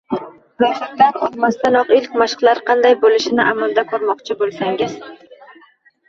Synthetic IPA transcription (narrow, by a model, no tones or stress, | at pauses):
zɒʃɪɾd̪anɒlmast̪anɒqɪlkʲmaʃqlˠaɾqʰɑnd̪ajbolɪʃɪnɪʔamalˠd̪akʰɵɾmɒqt͡ʃʰɪbolˠsaŋɪz̥